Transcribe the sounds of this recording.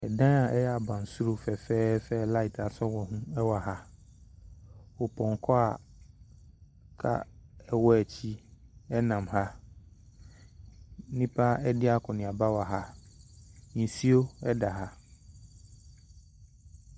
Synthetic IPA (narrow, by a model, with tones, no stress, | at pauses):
ɛ˨dã˦a˨ʔɛ˦jɛ˦a˨bã˨n˨su˦ɾu˦fɛ˨fɛː˦fɛ˦la˦i˨tʰa˨sɔ˦wɔ˨ɦũ˦ɛ˦wa˨ɦa˦ | ɔ˨pʰɔ̃˨ŋ˨kʰɔ˦a˨ | kʰa̰˦˨ɛ˦wɔ˦ɛ˨t͡ɕʰi˦ɛ˦nã˨mha˦ | nĩ˦pʰa˦ɛ˦dɪ˦a˦kʰɔ˨nɪ̃˨a˨ba˦wa˨ɦa˦ | ɲĩ˨si˦o˦ɛ˦da˨ɦa˦